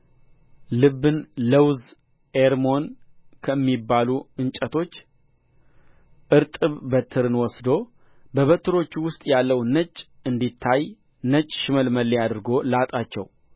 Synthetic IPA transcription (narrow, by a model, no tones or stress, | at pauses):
lɨbːɨnləwz | eɾmo̞nkʰəɨmːibːaluɨnt͡ʃʼət̪ʰo̞t͡ʃː | ʔɨɾt̪ʼɨβbət̪ʰɨɾɨnwɔsd̪o̞ | bəβət̪ʰɨɾo̞t͡ʃːwʊst̪ʼjalːəwnət͡ʃʼː | ɨnd̪it̪ʰːaj | nət͡ʃʼːʃɪməlməlːejad̪ɾɨɡo̞lat̪ʼat͡ʃːɛ̰w